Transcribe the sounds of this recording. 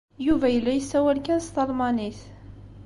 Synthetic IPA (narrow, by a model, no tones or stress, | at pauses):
juvæjəlːæjəsːæwælkænst̪ɑlmɑniθ